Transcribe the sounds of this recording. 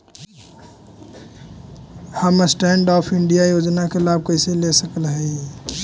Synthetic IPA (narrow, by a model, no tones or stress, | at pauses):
həmsʈɛːɳɖɔːpʰɪɳɖijajoːd͡ʒnakelaːb̚kəɪselesəkəlɦɛ